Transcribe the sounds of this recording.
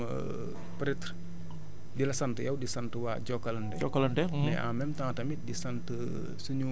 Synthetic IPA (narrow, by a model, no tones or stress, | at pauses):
pɾitɾ | dilɐsɐntəjɐwdisantəwa̰ɟɔkːɐlɐndɛ̰ɔkːɐlɐndɛnɛa̰mɛmtãŋtɐmit̚disantə | suɲu